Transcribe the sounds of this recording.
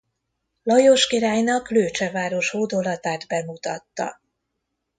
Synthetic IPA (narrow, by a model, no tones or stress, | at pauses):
lɒjoʃkiɾaːjnɒkløːt͡ʃɛvaːɾo̞ʃhoːd̪o̞lɒt̪aːd̪bɛmut̪ɒt̪ːɒ̰